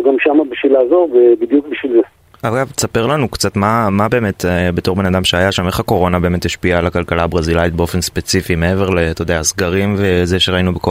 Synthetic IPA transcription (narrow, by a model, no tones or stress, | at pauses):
ɡamʃamabiʃvilaːzo̞ʁvebid̪juk̚biʃvilze | aɡavtesape̞ʁlanukt͡satmamabe̞ːme̞tbe̞to̞ʁbe̞nad̪amʃeajaʃame̞χako̞ʁo̞nabe̞ːme̞t̪iʃpialakalkalabʁazilait̪̚be̞o̞fe̞nspe̞t͡sifimee̞ve̞ʁle̞t̪ojd̪easɡaʁimvezeʃeʁainubeko